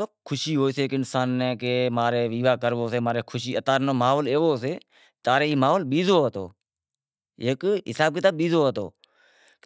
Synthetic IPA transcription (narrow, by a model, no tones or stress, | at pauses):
oːkʰʊʃiːɦoːiːseekɪnsaːnːeːkeːmaːɾeːʋiːʋaːkəɾʋoːseːmaːɾeːkʰʊʃiːət̪aːɾnoːmaːɦoːleːoːseː | t̪aːɾeːiːmaːɦoːlɓiːzoːɦət̪o̰ː | eːkɦɪsaːb̚kɪt̪aːbɓiːzoːɦət̪o̰ː